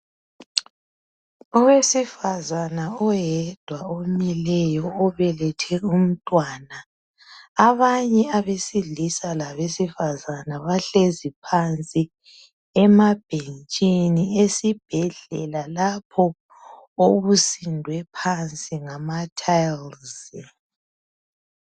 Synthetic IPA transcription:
ɔwesifazanaɔjɛd̥ʱwaomilɛjɔɔβɛlɛtʰɛum̩tʼwaːna | aβaɲɛaβesiɮisalaβesifazanaβaɬezipʰant͡sʼi | ɛmab̥ʱent͡ʃʼiniesib̥ʱɛɮɛlalapʰɔ | oβusindʱwɛpʰant͡sʼiŋamatʰajlzi

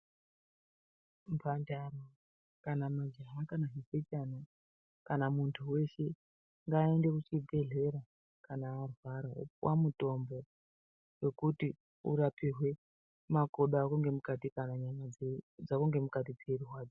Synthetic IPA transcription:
mpʰandaro | kanamad͡ʒaɦakanaɦiset͡ʃana | kanamuntʰuwe̞ʃe̞ | ŋɡaende̞kut͡ʃid͡zʱe̞ɮe̞ɾa | kanaːrwaɾaṵpwa̰muto̞mbo̞ | we̞kuti | ṵɾapiɦwe̞ | makoɗaːkuŋɡe̞mukatikanaɲaɲad͡zakuŋɡe̞mukatid͡zeruɦwaːd͡zo̥

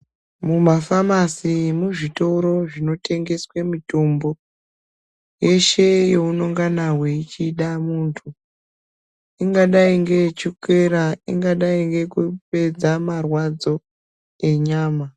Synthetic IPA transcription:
mumafamasimuʐito̞ɾo̞ʐino̞tʰe̞ŋɡe̞swemito̞mbo̞ | je̞ʃe̞jo̞uno̞ŋɡanawe̞it͡ʃiɗamuːntʰu | iŋɡaɗaiŋɡe̞t͡ʃikeɾaḭŋɡaɗaiŋɡe̞kupe̞d͡zamarwad͡zo̞ | e̞ɲaːma

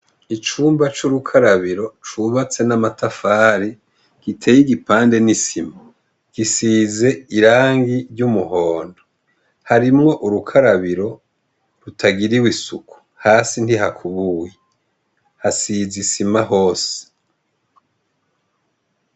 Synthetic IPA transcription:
it͡ʃuːmbat͡ʃuɾukʰaɾaβiɾo̞t͡ʃuβat͡se̞namatafaːɾi | ɡ̥itʰe̞ːjiɡipaːnde̞nisima | ɡ̥isiːze̞iɾaːŋɡiɾɟumuhoːndo | haɾimŋo̞ʔuɾukʰaɾaβiɾo̞ | ɾutʰaɡiɾiwisuku̥ | haːsinhiɦakʰuβuːje | hasizisimaɦo̞ːse̥

